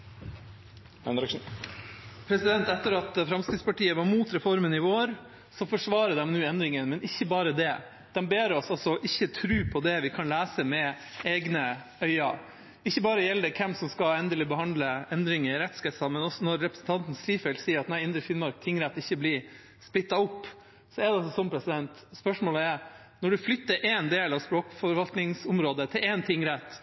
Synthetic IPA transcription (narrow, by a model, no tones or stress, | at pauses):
ɛnɾ | pʰɾɛsɪd̪ɛnt̪ɛt̪ːəɾɑt̪fɾɑmskɾɪːspɑʈiːəʋɑɾmuːt̪ɾɛfɔɾmənɪʋoːɾ | sɔfɔʂʋɑːɾəd̪ɛmnʉːɛnd̪ɾɪŋənmɛnɪçːəbɑːɾəd̪ɛ | d̪̥ɛmbeːɾɔsɑlsɔːʔɪçːət̪ʰɾʉːpʰɔd̪ɛʋɪkʰɑnlæːsəmɛ | eːɡnə | œʏɑ | ɪçːəbɑːɾəjɛld̪əkʰɛmsɔmskɑɛnd̪əlɪbəhɑnd̪ləɛnd̪ɾɪŋəɾɛt̪skɛsɑmɛnɔsɔnɔɾːɛpɾəsn̩t̪ʰɑnt̪n̩sɾiːfɛlsiːəɾɑt̪næɪɪnd̪ɾəfɪnmɑɾk̚t̪ʰɪŋːɾæt̪ːɪçːəblɪ | spɪt̪ːɑʊpː | sɔɛɾɖ̪ɛɑsɔsɔnmpʰɾɛsɪd̪ɛnt̪spœʂmoːləæɾ | nɔɖʉflʏt̪ːəɾʔɛːnd̪eːlɑʋspɾoːkfɔɾʋɑlt̪nɪŋsʊmɾoːd̪ət̪ʰɪlɛnt̪ʰɪŋːɾɛt̪ː